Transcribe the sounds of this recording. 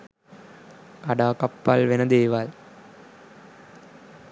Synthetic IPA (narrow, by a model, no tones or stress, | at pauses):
kɐɽaːkɐpːaːlʋenɐd̪eːʋaːl